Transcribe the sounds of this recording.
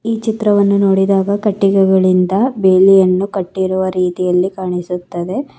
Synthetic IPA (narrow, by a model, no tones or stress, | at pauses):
iːt͡ʃit̪ɾɐʋɐnːuno̞ːɽid̪aːɡɐkɐʈːiɡɐɡɐɭind̪ɐbeːlijɐnːukɐʈːiɾuʋɐɾiːt̪ijɐlːikaːɳisut̪ːɐd̪e̞